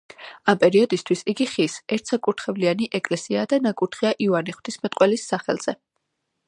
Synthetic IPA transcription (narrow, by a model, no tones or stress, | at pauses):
ampʼɛɾiɔd̪ist̪ʰwisiɡiχisɛɾt̪ʰsakʼuɾt̪ʰχɛvlianiʔɛkʼlɛsiad̪anakʼuɾt̪χiaʔivaniχwt̪ʰismɛt̪ʼqʼwɛlisːaχɛ̰lˠz̥ɛ